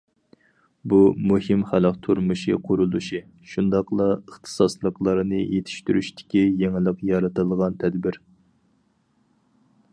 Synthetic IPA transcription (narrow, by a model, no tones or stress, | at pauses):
bumuhɨmχælɑqt̪ʰuɾmɨʃiqʰʊɾulˠuʃi | ʃund̪ɑqlˠɑəχt̪ʰɨ̥sɑslˠəqlˠɑɾɨnɨjet̪ʰɪ̥ʃt̪yɾyʃt̪ʰɪ̥kʲijeŋɪlˠəqjɑɾɨt̪ɨlˠʁɑnt̪ʰɛd̪bɪɾ